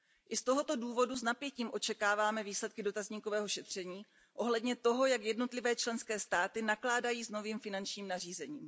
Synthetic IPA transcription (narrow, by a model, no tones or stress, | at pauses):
ʔɪst̪o̞ɦo̞t̪o̞duːvo̞duznapjɛciːmʔo̞t͡ʃɛkaːvaːmɛviːslɛt̪̚kɪdo̞t̪azɲiːkovɛːɦo̞ʃɛt̪r̝̥ɛɲiː | ʔo̞ɦlɛdɲɛt̪o̞ɦo̞jakjɛdno̞t̪lɪvɛːt͡ʃlɛnskɛːst̪aːt̪ɪnaklaːdajiːzno̞viːmfɪnant͡ʃɲiːmnar̝iːzɛɲiːm